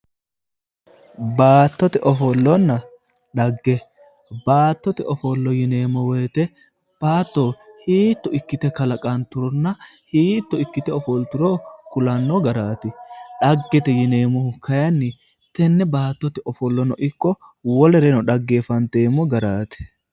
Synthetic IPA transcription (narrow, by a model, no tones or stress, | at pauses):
baːt̪ːɔt̪ɛʔɔfɔlːɔnːɐ | ɗɐɡːɛ | baːt̪ːɔt̪ɛʔɔfɔlːɔjɪne̞ːmɔwɛjt̪ɛ | b̥aːt̪ːoːhiːt̪ːɔɪkːɪt̪ɛkɐlɐkʼɐnt̪ʊɾɔnːɐhiːt̪ːɔɪkːɪt̪ɛɔfɔlt̪ʊɾoːkʊlɐnːɔɡɐɾaːt̪ɪᶑɐɡːɛt̪ɛjɪne̞ːmɔhʊkʰɐjɐnːɪ | t̪ɛnːɛbaːt̪ːɔt̪ɛʔɔfɔlːɔnɔʔɪkːɔwɔlɛɾɛnɔɗɐɡːeːfɐnt̪eːmɔɡɐɾaːt̪ɛ̥